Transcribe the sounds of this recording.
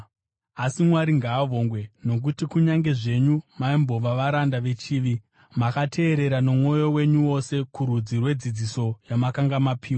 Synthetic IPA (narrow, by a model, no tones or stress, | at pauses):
asimwaɾiŋɡaːʋo̞ŋɡwe̞no̞k̬utikuɲaŋɡe̞ʐe̞ɲumaimbo̞ʋaʋaɾandaʋe̞t͡ʃiːʋi | makatʰe̞ːɾe̞ɾanomwo̞jo̞we̞ɲuwo̞se̞kurud͡zirwe̞d͡zid͡ziso̞jamakaŋɡamapʰiːwa